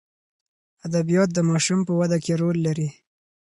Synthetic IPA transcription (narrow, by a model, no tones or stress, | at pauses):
ad̪abijɑt̪̚d̪əmɑʃumpəwad̪akeɾolːaɾi